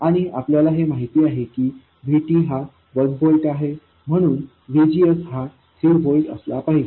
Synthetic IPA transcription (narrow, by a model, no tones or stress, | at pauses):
aɽ̃iapljalaɦemaɦit̪iːaɦekiː | bʱiʈiːɦa | ʋəɾɡ̚bolʈaɦe | m̤əɽ̃uːn | ʋid͡ʑiəsɦa | sʰilbolʈə̰slapaɦid͡ʑe